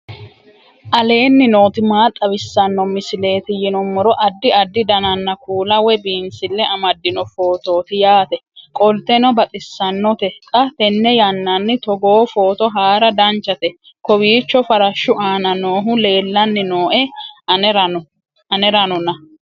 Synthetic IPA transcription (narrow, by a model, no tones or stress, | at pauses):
ʔɐle̞ːnːɪno̞ːt̪ɪmaːt̪ʼːɐbɪsːɐnːɔmɪsɪle̞ːt̪ɪjɪnɔmːɔɾɔʔɐd̪ːɪɐd̪ːɪd̪ɐnɐnːɐkuːlɐwɛbiːnsɪlːɛʔɐmɐd̪ːɪnɔfo̞ːt̪o̞ːt̪ɪjaːt̪ɛkʼɔlt̪ɛnɔbɐt̪ʼɪsːɐnːɔt̪ɛkʼɐt̪ɛnːɛjɐnːɐnːɪt̪ɔɡoːfo̞ːt̪ɔɦaːɾɐd̪ɐnt͡ʃːɐt̪ɛ | kɔbiːt͡ʃːɔfɐɾɐʃːʊʔaːnɐno̞ːɦʊle̞ːlːɐnːɪnoːʔɛ | ɾɐɔ | ɐnɛɾɐnɔnɐ